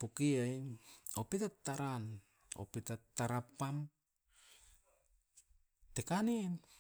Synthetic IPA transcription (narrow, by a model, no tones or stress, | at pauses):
pokiajopetatːaɾan | o̰petatːaɾapam | tekanin